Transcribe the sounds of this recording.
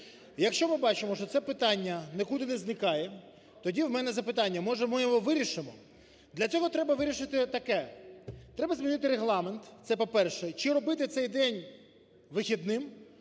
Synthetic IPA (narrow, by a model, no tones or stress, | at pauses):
jɐkʃt͡ʃɔmɪbɑt͡ʃɪmɔʃt͡ʃɔt̪sɛpɪt̪ɑnʲːɐnɛkud̪ɪnɛznɪkɑjɛ | t̪ɔdʲiwmɛnɛzɐpɪt̪ɑnʲːɐmɔʒɛmɪjɔɦɔʋɪɾʲiʃɪmɔ | d̪lʲɐt͡sʲɔɦɔt̪ɾɛbɐʋɪɾʲiʃɪt̪ɪt̪ɐkɛt̪ɾɛbɐzmʲinɪt̪ɪɾeɦlˠɑment̪t̪sɛpɔpɛrʃɛt͡ʃɪɾɔbɪt̪ɪt̪sɛjd̪ɛnʲ | ʋɪxʲid̪nɪm